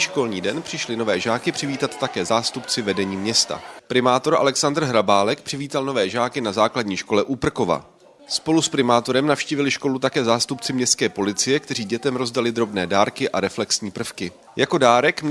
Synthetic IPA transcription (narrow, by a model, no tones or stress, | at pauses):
ʃko̞lɲiːdɛnpr̥ɪʃlɪno̞vɛːʒaːkɪpr̝̥ɪviːt̪at̪ːakɛːzaːst̪upt͡sɪvɛdɛɲiːmɲɛst̪a̰pɾɪmaːt̪o̞ɾʔa̰lɛksand̪r̩ɦɾabaːlɛk̚pr̥ɪviːt̪alno̞vɛːʒaːkɪnazaːkladɲiːʃko̞lɛʔuːpr̩ko̞va̰ | spo̞luspɾɪmaːt̪o̞ɾɛmnafʃciːvɪlɪʃko̞lut̪akɛːzaːst̪upt͡sɪmɲɛst̪kɛːpo̞lɪt͡sɪjɛkt̪ɛriːɟɛt̪ɛmɾo̞zdalɪd̪ɾo̞bnɛːdaːɾkɪʔaɾɛflɛksɲiːpr̩fkɪ | jako̞daːɾɛkm